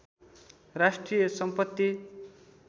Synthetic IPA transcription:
rasʈrijʌsʌmpʌt̪ːi

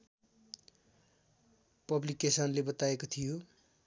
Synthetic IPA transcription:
pʌblikesʌnlebʌt̪aekot̪ʰijo

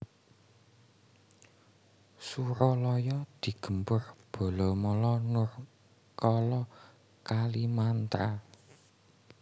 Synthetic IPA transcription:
suɾɔlɔjɔd̪̥i̤ɡ̥ə̤mpʊrb̥o̤lɔmɔlɔnʊr | kɔlɔ | kalimant̪ɾa

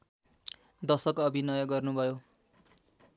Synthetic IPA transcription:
d̪ʌsʌkʌbʱinʌjʌɡʌrnubʱʌjo

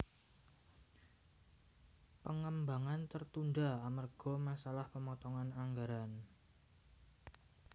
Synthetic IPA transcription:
pəŋəmbaŋant̪ərt̪unɖaamərɡ̥ɔ̤masalahpəmɔt̪ɔŋanaŋɡaɾan

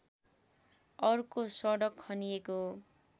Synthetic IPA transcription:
ʌrkosʌɽʌkʰːʌnijeko

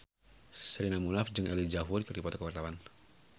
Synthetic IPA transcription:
səɾinamulafd͡ʒɨŋɛlid͡ʒaɦurikərdipɔt̪akəwart̪awan

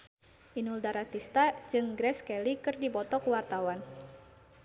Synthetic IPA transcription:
ʔinuldaɾat̪ist̪ad͡ʒɨŋɡɾɛskɛlikɨrdibɔt̪ɔkuwart̪awan

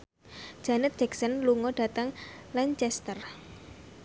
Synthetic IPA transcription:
ʒ̥a̤nɛt̪̚d̥d͡ʒ̥ɛksənluŋɔɖ̥a̤t̪əŋlaɲt͡ʃɛst̪ər

